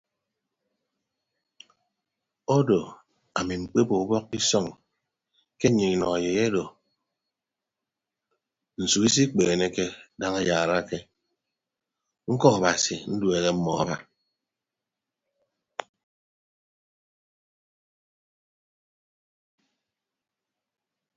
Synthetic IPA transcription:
o˦do˨ | a˨mi˨ŋ͡m̩˨k͡pe˦bo˨u˦bɔ˦k̚i˦sɔ˦˨ŋ | ke˦ɲi˨i˨nɔ˨a˨je˨je˦do˨ | n̩˨su˨ki˦s̬i˦k͡peː˨ne˦ke˦da˦ŋa˦ja˨ɾa˦ke˦ | ŋ̩˦kɔ˦a˨ba˨si˨n̩˦dwe˨ɣe˦m̩˦mɔ˨a̰˨ba˦

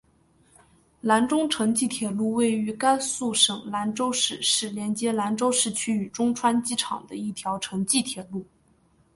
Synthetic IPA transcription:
la˧˥nʈ͡ʂʊ˥ŋʈ͡ʂʰɤ˧˥ŋt͡ɕi˥˩t̪ʰjɛ˨˩lu˥˧we˥˩ɪy˧˥ka˥nsu˥˩ʂɤ˨˩ŋla˧˥nʈ͡ʂo˥ʊʂɻ̩˥˩ʂɻ̩˥˩ljɛ˧˥nt͡ɕjɛ˧˥la˧˥nʈ͡ʂo˥ʊʂɻ̩˥˩t͡ɕʰy˥y˨˩ʈ͡ʂʊ˥ŋʈ͡ʂʰwa˥nt͡ɕi˥ʈ͡ʂʰɑ̰˨˩ŋd̪ə˦i˥˩t̪ʰjɑ˧˥ʊʈ͡ʂʰɤ˧˥ŋt͡ɕi˥˩t̪ʰjɛ˨˩lu˥˩

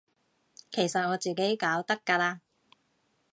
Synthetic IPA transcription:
kʰe˨˩jsɐ˨t̚ŋɔː˨˧t͡siː˨ke˨˥jkaː˨˥wt̪ɐ˥kːaː˧laː˧

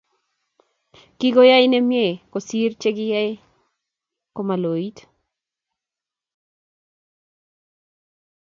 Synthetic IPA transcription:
ki˦ɡo˦ja˦jnɛ˦mje˦˨ko˨si˦rt͡ʃe˦ɡɪ˦ja˦j | ko˨ma˨lo˨i˦t

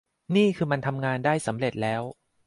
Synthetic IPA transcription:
niː˥˩kʰɯː˧ma˧nt̪ʰa˧mŋaː˧ndaː˥˩jsa˩˦mɾe˨˩t̪̚lɛː˦˥w

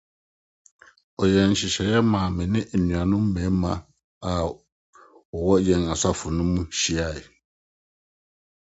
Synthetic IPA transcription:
o˨jɛ˨n˨ʃi˨ʃɛ˨jɛ˦ma˨mɛ˨ni˦ʔnɥa˨nũ˦m˦mɛ˨˦ma˨ | a˨ | o˨wɔ˦jɛ˨ŋa˨sa˦fu˨nu˦mu˦ʃi˦a˦˨i˨

